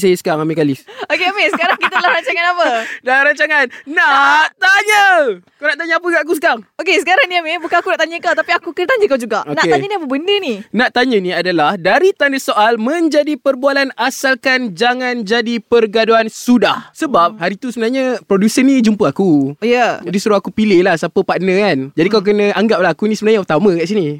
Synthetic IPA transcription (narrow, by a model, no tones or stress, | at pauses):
sajəsə̥kaŋamekalisokeamesəkaɾaŋkit̪əlahɾaɲt͡ʃaŋanapədlaɾaɲt͡ʃaŋannaʔt̪aɲəkawnaʔt̪aɲəapəɡaʔak̬usə̥kaŋokesəkaɾaŋniamebukanakunaʔt̪aɲəkawt̪apiakukət̪aɲd͡ʒəkawd͡ʒuɡaʔonaʔeaɲəniapəbəndəninãʔt̪aɲə̃nĩadalahdaɾit̪andasoʔalmə̃ɲd͡ʒadipərbualanasalkand͡ʒaŋand͡ʒadipərɡaduansudahsəbap̚haɾit̪usəbənarɲapɾodusənid͡ʒumpəakujəd͡ʒadisuɾuakupilehlahsapəpaʔnə̃kand͡ʒadikawkənə̃ʔaŋɡap̚laɦakunisəbənarɲaut̪amə̃kaʔsini